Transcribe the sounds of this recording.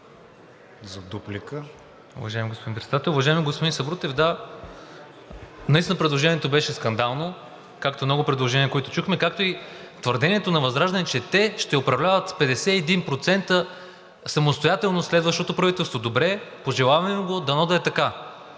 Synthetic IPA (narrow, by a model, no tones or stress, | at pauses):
zɐd̪uplikə | ʊ̰vɐʒaɛmʲiɡospod̪inpɾɛt̪d̪at̪ɛlʊvɐʒaɛmiɡospod̪insɐbɾut̪ɛfd̪a | nist̪inpɾɛd̪lˠoʒɛniɛt̪obɛʃɛskɐnd̪alˠno | kak̚t̪omnɔɡʊpɾɛd̪lˠoʒɛniəkoɛt̪o̥t͡ʃuxmɛkak̚t̪oi | t̪vəɾd̪ɛniɛt̪onɐvɐzɾaʒd̪ɐnɛt͡ʃɛt̪ɛʃt̪ɛopɾɐvlʲavɐt̪pɛd̪ɛsɛːd̪inpɾot̪sɛnt̪ə | sɐmost̪ojat̪ɛlˠnoslɛd̪vəʃt̪ot̪opɾɐvit̪ɛlˠst̪vod̪obɾɛpoʒɛlˠavɐɐmiɡod̪ɐnɔd̪ɐɛt̪ɐka